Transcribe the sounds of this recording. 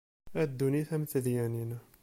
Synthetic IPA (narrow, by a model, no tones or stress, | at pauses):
æd̪ːuniθæmt̪əðjæninæ